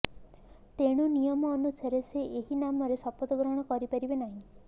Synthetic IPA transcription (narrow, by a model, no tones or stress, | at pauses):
t̪eɽ̃unijɔmɔːnusaɾeseʔeɦinamɔɾesɔpɔt̪ɔɡɾɔɽ̃ɔkɔɾipaɾibenaɦĩ